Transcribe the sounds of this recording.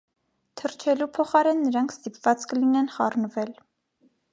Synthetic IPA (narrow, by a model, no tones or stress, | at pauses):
t̪ʰəɾt͡ʃʰɛlupʰɔχɑɾɛnːəɾɑŋkʰst̪ipv̥ɑt͡skəlinɛnχɑrnəvɛl